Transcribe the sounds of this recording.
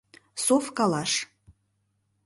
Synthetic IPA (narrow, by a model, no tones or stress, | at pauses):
sofkalaʂ